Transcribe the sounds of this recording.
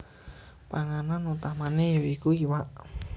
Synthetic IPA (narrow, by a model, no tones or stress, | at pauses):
paŋananut̪amanejoikuiwaʔ